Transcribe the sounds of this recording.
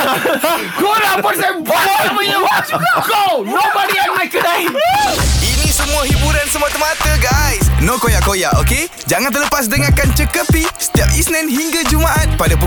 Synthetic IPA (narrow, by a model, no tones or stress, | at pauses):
koɾapɔɾtamaapəəwsonobaɾianmajkədai | inĩsəmũaɦibuɾansəmuat̪əmat̪əɡajsnõkojaʔkojaʔoke | d͡ʒaŋãnt̪ərləpas̬dəŋakant͡ʃəkəpisə̥t̪iap̚isnɛ̃ndhiŋɡad͡ʒumaʔat̪̚padapə